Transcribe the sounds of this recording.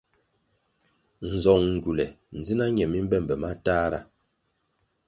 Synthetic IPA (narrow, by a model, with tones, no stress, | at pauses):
n̩˨zɔ˨ŋŋ̩˨ɡu˨lɛ˨n̩˨d͡zi˦na˦ɲɛ˨mi˦m̩˦bɛ˦˨mbɛ˨ma˦ta˦ɾa̰˨